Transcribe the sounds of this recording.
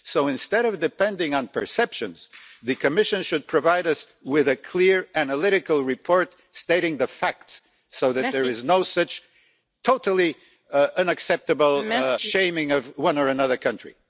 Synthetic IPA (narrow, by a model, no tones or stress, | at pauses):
soʊɨ̃nstɛɾʌvdɨpɛ̃ndɪ̃ŋə̃npʰə̰˞sɛpʃɨ̃nz̥ðɨkʰɨmɪʃɨ̃nʃɨd̚pʰɹ̥ɨvaɪɾʌswɪðɨkʰl̥ɪɹænəlɪɾɨkl̩ˠɹɨpʰɔɹt | steɪɾɪ̃ŋðɨfæk̚ts | soʊðɨðə˞ɨznoʊsʌt͡ʃ | tʰoʊɾl̩ˠi | ʌ̃nɨksɛp̚tɨbl̩ˠʃẽɪ̃mɪ̃ŋʌvwʌ̃nə˞ɨnʌðə˞kʰʌ̃nt͡ʃɹ̥ḭ